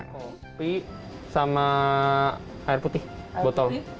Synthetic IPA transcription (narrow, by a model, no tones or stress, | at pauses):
pi | sama | aɪrput̪ɪh | bɔt̪ɔl